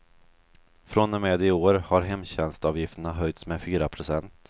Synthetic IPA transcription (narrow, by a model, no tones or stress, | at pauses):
fɾɔnːɛmeːd̪ɪoːɾhaɾɦɛmːɕɛnst̪ɑːvjɪft̪əɳaɦœjt̪smɛfyːɾapʰɾʊsɛnt̪